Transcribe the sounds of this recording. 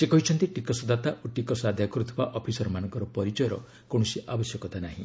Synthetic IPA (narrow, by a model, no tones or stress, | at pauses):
sekɔɦit͡ʃʰɔnt̪iʈikɔsɔd̪at̪aʔoʈikɔsad̪ʱjakɔɾut̪ʰibaʔɔpʰisɔɾɔmanɔ̃ŋkɔɾɔpɔɾit͡ʃɔjɔɾɔ̰ | koɽ̃ɔsiʔabɔsjɔkɔt̪anaɦḭ̃